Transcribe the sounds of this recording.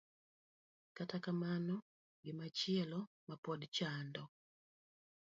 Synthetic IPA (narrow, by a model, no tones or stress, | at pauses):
katakamanɔ | ɡimat͡ʃiɛlɔ | mapɔdt͡ʃandɔ